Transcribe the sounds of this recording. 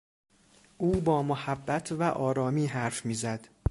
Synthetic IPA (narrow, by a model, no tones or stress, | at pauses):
ʔuːbɒːmohæbːæt̪ʰvæʔɒːɾɒːmiːɦæɾfmiːzæd̪̥